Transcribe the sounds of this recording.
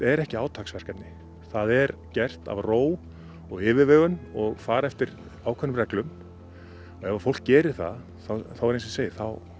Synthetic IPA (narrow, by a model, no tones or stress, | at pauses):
ɛɾɛhcɪaːwt̪ʰaːksvɛr̥kat̪nɪ | θaðɛɾcɛr̥t̪a̰vroːw | ɔɣɪːvɪvɛːɣʏnɔɣfaːɾɛft̪ɪɾ | aːwkʰœnʏmɾɛklʏm | ɔɣɛvaɾ̥fowl̥kcɛːɾɪ̥θa̰ð | θawθawɛɾejnsɪseːjɪɾ̥θaw